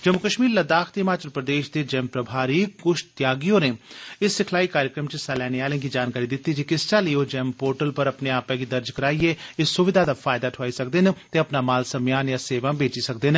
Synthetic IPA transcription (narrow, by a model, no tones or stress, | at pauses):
d͡ʒəmʊkəʃmiːɾləd̪aːkt̪ɪmaːt͡ʃəɾpɾəd̪eːʃd̪eːd͡ʒɛmpɾəbʱaːɾiːkʊʃt̪jaːɡijõːneːɪsːɪkʰlaːiːkaːɾjəkɾəmt͡ʃəsalɛːneːaːlẽːɡiːd͡ʒaːnkaːɾiːd̪ɪt̪ːiːd͡ʒikɪst͡ʃaːlijoːd͡ʒɛːmpoːɾʈəlpəɾəpneaːpɛ̃ːɡiːd̪əɾd͡ʒkəɾaːieːɪsːʊʋɪd̪ʱaːd̪aːfʰaːjd̪aːʈʰaːisək̚d̪ɪnt̪eːəpnaːmaːlsəmjaːnjãːseːʋãːbeːt͡ʃiːsəkd̪ɪn